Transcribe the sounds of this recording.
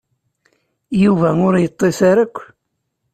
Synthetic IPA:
juvæʊɾjət̪ˤːesaɾəkʷː

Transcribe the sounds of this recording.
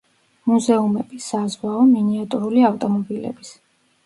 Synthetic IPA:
muzɛumɛbisazwaɔminiat̪ʼuɾuliaft̪ʼɔmɔbilɛ̰bis

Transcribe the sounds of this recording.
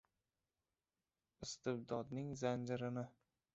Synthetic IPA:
ɪst̪ɪbd̪ɒd̪nɪŋzand͡ʒɪɾɪnɪ

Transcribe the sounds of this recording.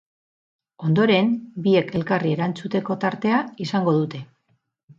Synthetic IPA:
o̞nd̪o̞ɾe̞mbie̞ke̞lkarie̞ɾant͡sut̪e̞ko̞t̪aɾt̪e̞aisaŋɡo̞ðut̪e̞

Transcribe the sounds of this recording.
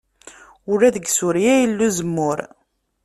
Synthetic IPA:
ʊɾæðəɡsʊɾjæjəlːuzəmːʊɾ

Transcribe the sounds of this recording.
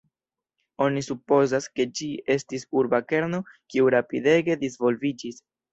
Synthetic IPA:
o̞nisupo̞zaske̞d͡ʒie̞stisuɾbake̞ɾno̞kiuɾapide̞ɡe̞dizvo̞lvid͡ʒis

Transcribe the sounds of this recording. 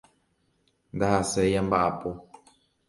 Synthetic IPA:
ndaasɛjambaapo

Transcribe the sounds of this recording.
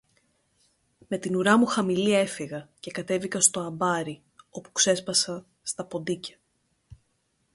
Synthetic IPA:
me̞t̪inuɾɐmuxɐmilie̞fiɣɐce̞kɐt̪e̞vikɐst̪o̞ɐbɐɾi | o̞pu̥kse̞spɐsɐ | st̪ɐpo̞nd̪icɐ̥

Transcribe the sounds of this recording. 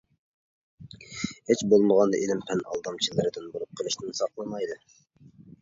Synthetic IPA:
het͡ʃbolˠməʁɑnd̪ɑʔilɪmpʰɛnʔɑ̰lˠd̪ɑmt͡ʃʰilˠɨɾɨd̪ɪnbolˠup̚qʰəlˠɨʃnɪnsɑqlˠɨmɑjd̪ɨ

